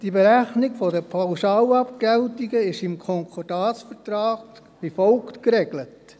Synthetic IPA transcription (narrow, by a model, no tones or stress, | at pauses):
d̥ibeɾæχnɪɡfɔdəpʰaʊsɑːlɑpkɛltiɡəɪʃɪmkʰɔŋkʰɔd̥ɑːt͡sfətɾɑːɡ | ifɔlktkɾɛɡ̥lət